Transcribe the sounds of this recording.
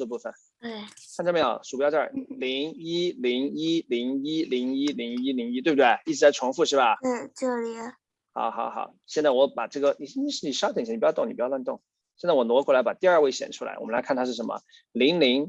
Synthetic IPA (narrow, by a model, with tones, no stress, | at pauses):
ə˧pu˥˧˩fə˨˩n | e˥˩kʰa˥˧nʈ͡ʂʰm˧˥˩ʂu˨˩pjʈ͡ʂli˧˥ŋi˥li˧˥ŋi˥li˧˥ŋi˥li˧˥ŋi˥li˧˥ŋi˥li˧˥ŋi˥t̪we˥˧˩btwɪi˥˩ʈ͡ʂɻ̩˧˥t͡sa˥˩ɪʈ͡ʂʰwʊ˧˥ŋfu˥˧ʂɻ̩˥˩ba˩˥˩ʈ͡ʂə˥˩li˧˥ | xɑ̰˨˧˦ʊxɑ˨˧˦ʊxɑ̰˨˧˩ʊɕjnt͡sa˥˩ɪwɔ˧˥pa˨˩ʈ͡ʂɤ˥˩ɡə˩ni˨˩ɕi˥ʂɻ̩˥˩i˨˩ʂɑ˥t̪ʰjt̪ŋni˨˩˧jt̪ʊ˥˩ŋ | ɕjnt͡swɔ˨˩nwɔ˧˥kwɔ˥˩la˧˥ɪpa˨˩t̪i˥˧ɐ˞˥˧we˥˩ɪɕjɛ̰˨˩nʈ͡ʂʰu˥la̰˧˥ɪw̰ɔ˨˩m˦la˧˥kʰa˥˩nt̪ʰa˥ʂɻ̩˥˩ʂə˧˥nmə̰˧˩ | li˧˥ŋli˧˥ŋ